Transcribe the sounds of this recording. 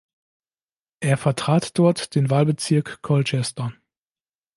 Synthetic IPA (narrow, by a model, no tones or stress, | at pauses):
ʔeːɐfɛɐtʁ̥aːtd̥ɔɐtd̥eːnvaːlbət͡sɪɐkːʰɔlt͡ʃɛstɐ